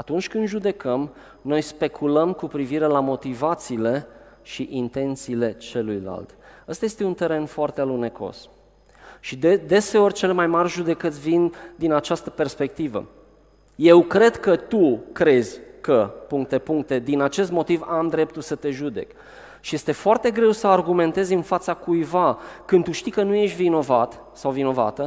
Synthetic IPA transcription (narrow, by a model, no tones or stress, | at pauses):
at̪unt͡ʃʲkɨnʒud̪e̞kəm | no̞jspe̞kʰuləmkupɾiviɾe̞lamo̞t̪ivat̪siːle̞ʃiʔint̪e̞nt̪siːle̞t͡ʃe̞lujla̰lt̪əst̪aje̞st̪eunt̪eɾe̞nfoart̪ealune̞ko̞̰s | ʃid̪d̪e̞se̞o̞rʲt͡ʃe̞lemajmarʲʒud̪e̞kət̪sʲvind̪inat͡ʃast̪əpe̞rspe̞k̚t̪ivə̰ | je̞wkɾe̞d̪kət̪ukɾe̞zʲkəpuŋk̚t̪e̞puŋk̚t̪e̞d̪inat͡ʃe̞st̪mo̞t̪ivamd̪ɾe̞p̚t̪ulsət̪e̞ʒud̪e̞̰k | ʃije̞st̪e̞foart̪e̞ɡɾe̞wsəarɡume̞nt̪e̞zʲɨnfat̪sakujvakɨnt̪uʃt̪ikənuje̞ʃt̪vino̞vat̪ | sawvino̞va̰t̪ə